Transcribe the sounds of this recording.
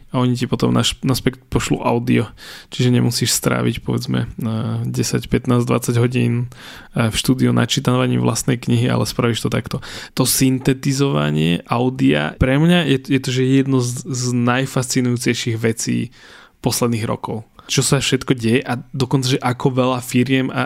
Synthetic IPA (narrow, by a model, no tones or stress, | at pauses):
aɔɲicipɔt̪ɔmnaʃnaspɛkt̪pɔʃlɔ̰ʔa̰ʊd̪iɔt͡ʃiʒɛɲɛmusiːʃst̪ɾa̰ːʋḭcpɔʋɛd͡zmɛ̰ɟɛsacpɛt̪naːzd̪ʋa̰t͡saɟɦɔɟiːn | fʃt̪uːd̪iunʔa̰t͡ʃit̪aʋaɲiːmvlʔast̪nɛjkɲiɦia̰lɛspɾaʋiʃt̪ɔt̪akt̪ɔt̪ɔsint̪ɛt̪izɔʋa̰ɲɪɛ̰ʔaʊd̪ia̰pɾɛmɲajɛjɛt̪ɔʒɛjɛd̪nɔzznajfast͡sinujuːt͡sɛjʃiɣʋɛt͡sḭː | pɔslɛd̪niːɣɾɔ̰kɔʊt͡ʃɔsafʃɛt̪kɔɟɛjɛʔad̪ɔkɔnt͡saʒɛʔakɔʋɛlafiɾɪɛma̰